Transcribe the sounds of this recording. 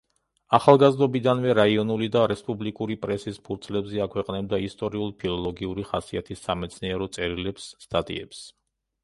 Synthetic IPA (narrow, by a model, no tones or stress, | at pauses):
aχalˠɡazd̪ɔbid̪anvɛɾaiɔnulid̪aɾɛspʼublikʼuɾipʼɾɛsispʰuɾt̪sʰlɛbzɛakʰwɛqʼnɛbd̪aist̪ʼɔɾiulˠpʰilˠɔlˠɔɡiuɾiχasiat̪ʰisːamɛt̪sʰniɛɾɔt̪sʼɛɾilɛpsːt̪ʼat̪ʼḭɛ̰ps